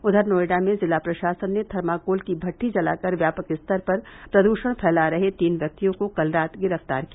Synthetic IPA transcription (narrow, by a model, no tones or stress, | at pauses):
ʊd̪ʱəɾnoːɪɖamẽzɪlaːpɾɐʃaːsənːet̪ʰɐɾmaːkoːlkibʱɐʈʰːid͡ʒɐla̰ːkɐɾʋjaːpəkɪst̪ʰəɾpɐɾ | pɾɐd̪uːʃəɽ̃pʰɛːlaɾɐɦet̪iːnʋjɐk̚t̪ijõkokɐlɾaːt̪ɡɪɾəft̪a̰ːɾkia